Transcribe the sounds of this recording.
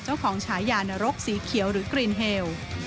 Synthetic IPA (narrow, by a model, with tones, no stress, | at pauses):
t͡ɕa˥˩wkʰɔː˩˦ŋt͡ɕʰaː˩˦jːaː˧˩n˧ɾo˦˥k̚siː˩˦kʰi˨˩˦əwɾɯː˩˦kɾiː˧˩nɦeː˧w